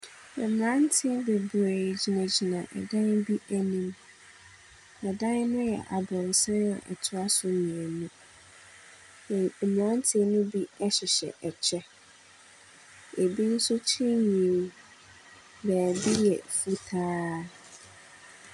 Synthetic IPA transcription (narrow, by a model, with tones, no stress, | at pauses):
ɛ˨m˨ã˦n˦tʰɪ˦be˨be˨d͡ʑi˨nã˨d͡ʑi˨nã˨ʔɛ̰˨dã˦n˦bi˦ʔæ˦nĩ˦m | ɛ˨dã˦nnʊ̃˦jɛ̰˨ʔa˨bɾɔ̃˨n˨sɛ̃˦ɔ̰̃˨ʔɛ̰˨tʰʊ˦a˦sʊ˨˦nĩ˨ɛ˨nũ˦˨ | m̃˨ã˦n˦tʰɪ˦nʊ̃˦bi˦ɛ˦ɕɪ˨ɕɛ̰˨ʔɛ˨t͡ɕʰɛ˦ | e˨bi˦n̩˦sʊ˦t͡ɕʰĩ˦ɲĩ˨˦ | bæ˨bi˦jɛ˨fu˦tʰaː˦